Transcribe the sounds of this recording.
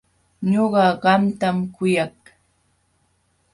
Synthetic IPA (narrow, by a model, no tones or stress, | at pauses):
ɲoɢɑɢɑmt̪amkʊjɑk